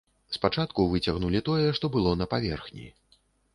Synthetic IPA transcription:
spat͡ʂat̪kuvɨt͡sʲɐɣnulʲit̪ɔjɛʂt̪ɔbɨlˠɔnɐpavʲɛrxnʲḭ

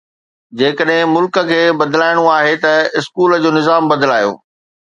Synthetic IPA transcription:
d͡ʑeːkəɗɦɪ̃mʊlkə̆kʰeːbɐd̪laːɪɽ̃uaːɦet̪ɐɪskuːlə̆d͡ʑoːnɪzaːmbɐd̪laːjo̰ː

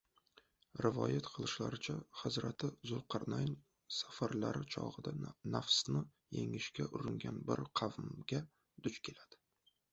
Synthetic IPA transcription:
ɾɪvɒ̰jat̪qʰɨlˠɪʃla̰ɾɪt͡ʃʰaχɨzɾat̪ʰɪzʊlqʰɑɾnajn | safaɾlaɾɪt͡ʃʰɒ̰ʁɨd̪anafsnɪ | jḛŋɪʃkʲaʔʊɾɪŋɡʲanbɪɾqʰɑvmɡʲa | d̪̥ʊt͡ʃkʲʰe̞lad̪̥ɪ̥

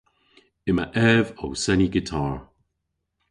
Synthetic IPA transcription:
ɪmaʔɛvowsɛniɡɪtʰaːɹ

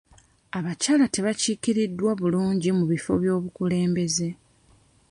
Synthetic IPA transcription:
aβacaːlate̞βaciːkiɾidːwaβuluːɲɟimuβifo̞̰βjo̞ːβukule̞ːmbe̞ze̞

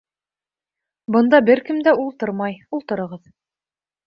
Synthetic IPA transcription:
bɤ̆nd̪ɑbɘɾkɘ̆md̪æulˠt̪ɤɾmɑjulˠt̪ɤ̆ɾɤ̆ʁɤð

